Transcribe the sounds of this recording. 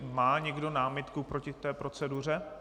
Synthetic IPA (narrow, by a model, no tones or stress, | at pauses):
maːɲɛɡdo̞naːmɪt̪kupɾocɪt̪ɛːpɾo̞t͡sɛdur̝ɛ